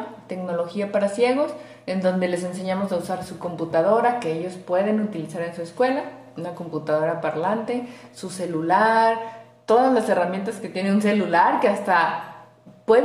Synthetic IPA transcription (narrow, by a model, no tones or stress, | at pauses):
t̪e̞kno̞lo̞xiapaɾasje̞ɣ̞o̞s | e̞nd̪o̞nd̪e̞le̞s̬e̞ns̬e̞ɲamo̞sausaɾsuko̞mput̪að̞o̞ɾake̞eʝo̞spwe̞ðe̞nut̪ilisaɾensue̞skwe̞la | unako̞mput̪að̞o̞ɾapaɾlant̪e̞suse̞lulaɾ | t̪o̞ðazlase̞ramje̞nt̪aske̞t̪je̞neuns̬e̞lulaɾkeast̪a | pwe